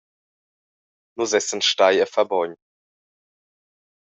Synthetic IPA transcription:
nuzɛsənʃtaɪɛfɛbɔʏn

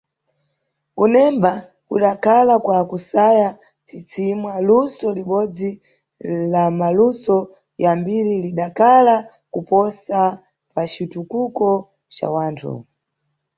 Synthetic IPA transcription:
kunɛmba | kṵɗakʰalakwakusaja | t͡sit͡simwalusɔliɓɔd͡zi | lamalusɔ | jambiɾiliɗakʰala | kupɔsa | pat͡ʃitukukɔ | t͡ʃa̰waːntʰṵ

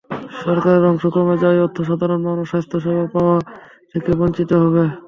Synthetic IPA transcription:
ʃɔɾkaɾeɾɔŋʃokɾomed͡ʑɔeot̪ʰːoʃad̪ʱaɾonmanoʃast̪ʰoʃɔbʱapaoa | t̪ʰekebont͡ɕit̪oɦɔβe

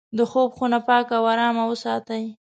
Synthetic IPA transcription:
d̪əxobxunapɑkawaɾɑmawəsɑt̪aj

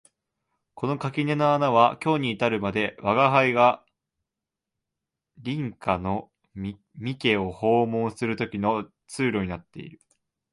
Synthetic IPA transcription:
ko̞no̞kakʲine̞naanaβ̞akʲo̞ːɲ̟iːt̪aɾɯ̟mad̪e̞βaɡaɦaiɡa | ɾʲĩŋkano̞ | mʲike̞o̞ho̞ːmõ̞ɰ̃sɨɾɯ̟t̪o̞kʲino̞ | t͡sɨːɾo̞ɲ̟inat̪ːe̞̰ḭɾɯ̟

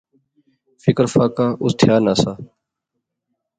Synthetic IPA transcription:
fɪkəɾfaːkaːʔʊst̪ʰjaːnaːsaː

